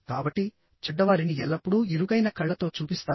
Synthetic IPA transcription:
kaːbɐʈːi | t͡ʃɛɖːɐʋaːɾiniɛlːɐpːuɽuiɾuɡɐjnɐkɐɭːɐt̪o̞ːt͡ʃuːpist̪aː

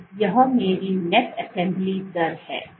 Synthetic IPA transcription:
jɐɦmeːɾinɛʈɛsɛ̃mblidɐɾhɛ̰ː

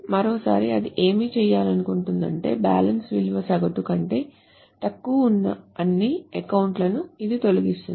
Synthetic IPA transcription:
mɐɾoːsa̰ːɾiɐd̪iʔe̞ːmiːt͡ʃɛːjːaːlɐnukuɳʈund̪ɐ̰ɳʈe̞ːba̰ːlɐnsʋilʋɐsɐɡɐʈukɐɳʈe̞ː | t̪ɐkːuʋunːɐ̰ɐnːiɛkɐwuɳʈlɐnuid̪it̪o̞luɡist̪un

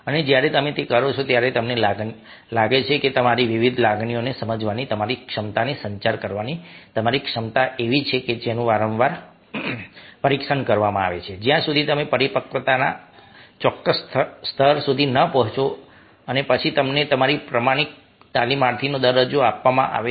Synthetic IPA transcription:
əned͡ʒjaɾet̪əmet̪ekəɾot͡ʃʰot̪jaɾet̪əmnelaɡ | laɡet͡ʃʰeket̪əmaɾiʋiʋid̪ʱlaɡɳionesəməd͡ʒʋanit̪əmaɾikʂəmt̪anesə̃ɲt͡ʃaɾkəɾʋanit̪əmaɾikʂəmt̪aʔeʋit͡ʃʰeked͡ʒenũʋaɾə̃ʋʋaɾ | pəɾikʂənkəɾʋamãa̰ʋḛt͡ʃʰed͡ʒjãsud̪ʱit̪əmepəɾipəkət̪ana̰t͡ʃɔkːəst̪ʰst̪ʰəɾsud̪ʱinəpəɦt͡ʃʰo | ənepət͡ʃʰit̪əmnet̪əmaɾipɾəmaɽ̃ik̚ | t̪alimaɾt̪ʰinod̪əɾːəd͡ʒoapʋamã̰ʔa̰ʋe

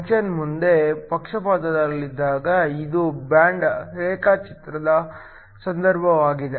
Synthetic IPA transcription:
t͡ʃɐnmund̪e̞pɐkʂɐpaːt̪ɐd̪ɐlːid̪ːaːɡɐid̪ubjaːɳɖɾeːkat͡ʃit̪ɾɐd̪ɐ | sɐnd̪ʱɐɾbʱɐʋaːɡid̪e

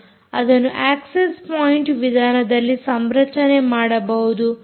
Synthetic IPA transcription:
ɐd̪ɐnːuʔaːksespoːjiɳʈʋid̪ʱaːnɐd̪ɐlːisɐmɾɐt͡ʃɐnemaːɽɐbɐɦud̪u

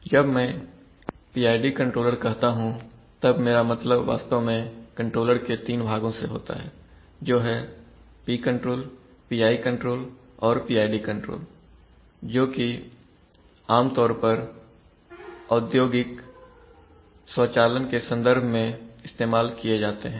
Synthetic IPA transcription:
d͡ʒɐbmɛ̃ː | piːaːɪɖikə̃ɳʈɾoːləɾkɐɦt̪aɦũ | t̪ɐbmeːɾamɐt̪ləbʋa̰ːst̪omẽkɐ̃ɳʈɾoːləɾket̪iːnbʱaːɡõseɦo̰ːt̪a̰ɦɛ̰ː | d͡ʒoːɦɛ | piːkə̃ɳʈɾoːl | piːaːikə̃ɳʈɾoːl | ɔːɾpiːaːɪɖikə̃ɳʈɾo̰ːl | d͡ʒoːki | aːmt̪ɔːɾpɐɾ | ɔːd̪joːɡɪk | sɔːt͡ʃaːlənkesə̃nd̪əɾbʱmẽɪst̪eːmaːlkijed͡ʒaːt̪eɦɛ̃ː

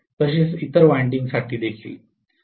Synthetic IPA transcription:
t̪əɕ̬iːsit̪əɾʋajɳɖiŋɡsaʈʰiːd̪ekʰḭː

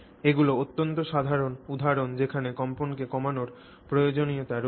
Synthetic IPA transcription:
eɡuloot̪ːont̪oʃad̪ʱaɾonud̪ʱaɾond͡ʑekʰanekɔmponkekɔmanoɾ | pɾojod͡ʑoniot̪aɾ

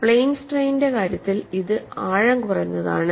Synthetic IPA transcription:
pɭejiŋsʈrejnde̞kaːɾjɐt̪ːiliðɨaːɻɐŋkurɐjunːɐða̰ːɳɨ

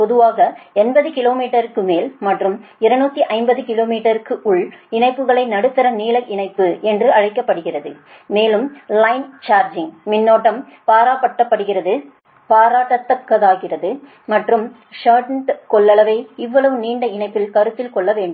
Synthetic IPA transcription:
pɔðɯʋaːɣɐɛnbɐðɯkɪloːmiːʈːɐɾɯkːɯmeːlmɐʈrɯmɪɾɐnuːt̪ːiʔɐɪmbɐðɯkɪloːmiːʈːɐɾɯkːɯʔʊɭɪnɐɪpːɯɣɐɭɐɪnɐɽɯt̪ːɐɾɐniːlɐʔɪnɐɪpːɯɛndrɯɐɻɐɪkːɐpːɐɽɯɣɪrɐðɯ | meːlɯmlɐɪnt͡ʃaːɾd͡ʒɪŋmɪnːoːʈːɐm | paːɾaːpɐʈːɐpːɐɽɯɣɪrɐðɯ | paːɾaːʈːɐt̪ːɐkːɐðaːɣɪrɐðɯ | mɐʈrɯm | ʂɐɾʈɳʈkɔɭːɐɭɐʋɐɪɪʋːɐɭɐʋɯniːɳɖɐɪnɐɪpːɪlkɐɾɯt̪ːɪlkɔɭːɐʋeːɳɖɯm

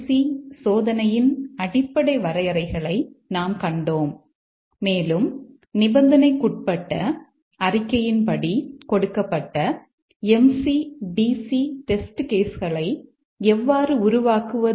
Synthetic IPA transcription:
sisoːðɐnɐjɪnɐɽɪpːɐɽɐɪʋɐɾɐjɐɾɐɪɣɐɭɐɪnaːmkɐɳɖoːmː | eːlɯm | nɪbɐnd̪ɐnɐɪkːʊʈ̚pɐʈːɐ | ɐrɪkːɐjɪnpɐɽikɔɽɯkːɐpːɐʈːɐ | ɛmsiɖiːsiʈɛsʈɯkeːsɣɐɭɐɪ | ɛʋːaːrɯʊɾʊʋaːkɯʋɐ

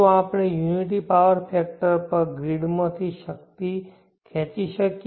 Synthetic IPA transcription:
oaːpɽ̃ejuːniʈ̬ipaʋəɾpʰeːk̚ʈəɾpəɾɡɾiɽmət̪ʰiʃək̚t̪i | kʰeːt͡ʃiʃək

